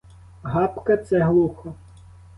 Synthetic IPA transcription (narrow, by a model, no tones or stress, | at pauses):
ɦɑpkɐt̪sɛɦlˠuxɔ